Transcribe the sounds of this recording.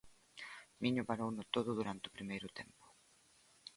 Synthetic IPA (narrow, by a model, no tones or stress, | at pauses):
mĩɲʊpaɾownʊt̪oðʊðuɾant̪ɪʊpɾimejɾʊt̪empʊ̥